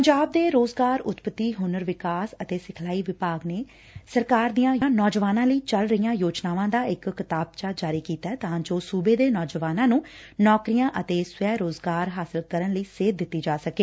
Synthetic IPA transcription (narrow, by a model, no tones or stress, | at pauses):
pəɲd͡ʒaːb̚d̪eːɾoːzɡaːɾʊt̪pət̪ːiːɦʊnəɾʋɪkaːsət̪eːsɪkʰlaːiːʋɪpaːɡneː | səɾkaːɾd̪ijãːj̃ːnɔːd͡ʒʋaːnãːləiːt͡ʃəlɾəijãːjoːd͡ʒnaːʋãːd̪aːɪkːɪt̪aːb̚t͡ʃaːd͡ʒaːɾiːkiːt̪aɛːt̪ãːd͡ʒoːsuːbeːd̪eːnɔːd͡ʒəʋaːnãːnũːnɔːkɾijãːʔət̪eːsʋɛːɾoːzɡaːɾɦaːsɪlkəɾənləiːseːd̪ɪt̪ːiːd͡ʒaːsəkeː